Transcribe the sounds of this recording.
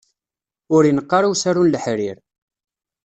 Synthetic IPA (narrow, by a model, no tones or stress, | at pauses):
ʊɾjinəqːɑɾawsæɾunləħɾiɾ